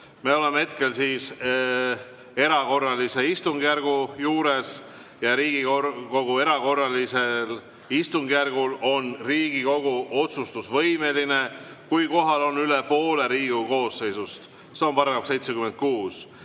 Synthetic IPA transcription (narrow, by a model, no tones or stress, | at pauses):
me̞o̞lemehe̞t̪̚ke̞lsiːs | e̞ɾɑko̞rːɑlise̞ist̪uŋɡ̥jærɡ̥ujuːɾe̞s | jɑɾiːɡ̥ioko̞ɡ̥ue̞ɾɑko̞rːɑlisel | ist̪uŋɡ̥jærɡ̥ulo̞nriːɡ̥iko̞ɡ̥uʔo̞t̪sust̪usvɤ̞jme̞line̞ | kujko̞ɦɑlo̞nːylepo̞ːle̞ɾiːɡ̥uko̞ːsːe̞jsust̪ | se̞ompɑɾɑnɑkse̞jt̪sekyme̞nd̪̚kuːs